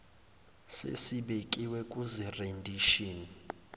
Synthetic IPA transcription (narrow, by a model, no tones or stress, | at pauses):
sḛsiɓekʼiwɛkʼuzirendʱiʃiːni